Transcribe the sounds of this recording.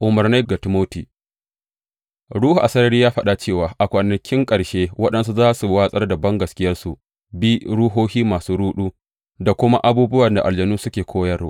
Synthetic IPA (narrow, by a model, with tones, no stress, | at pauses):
ʔʊ˨mɐ˨rna˦ɡa˨tɪ˨moː˦tiː˨ | ɽuː˦hu˨ʔa˨sɐ˦ɾɐ˦ɾiː˦jaː˦ɸɐ˦ɗa˨t͡ʃeː˦˨waː˨ʔa˨kʷɐ˨nɐ˨kʲɪ˦ŋkʼɐ˨ɽʃeː˦wɐ˦ɗɐ˦nsu˦zaː˦su˨waː˦sʼɐ˦rdɐ˨bɐ˦ŋɡɐ˨skʲɪ˦jɐ˦rsu˨ʔ | bi˦ɽu˦ɦoː˦hiː˦maː˨suː˦ɽuː˦ɗuː˦ | da˨kʷʊ˦ma˦ʔa˦buː˦bʊ˦wɐ˨nda˨ʔa̰˨ld͡ʒɐ˨nuː˦sʊ˦kʲeː˨kʰʷoː˦jɐ˦r